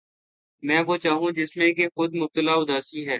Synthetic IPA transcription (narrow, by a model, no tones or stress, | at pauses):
mɛ̃ːʋoːt͡ʃaːɦũːd͡ʒɪsmẽkexʊd̪mʊb̚t̪əlaːʊd̪aːsiːɦɛː